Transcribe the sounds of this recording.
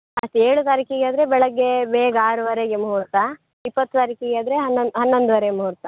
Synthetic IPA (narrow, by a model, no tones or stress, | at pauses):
ɐst̪eːɭut̪aːɾikiɡaːd̪ɾebɛɭɐɡːebeːɡɐaːɾuʋɐɾeɡemɦuːɾt̪ɐ | ipːɐt̪ːut̪aːɾikiɡeaːd̪ɾeɦɐnːoɦɐnːond̪uʋɐɾeemɦuːɾt̪ɐ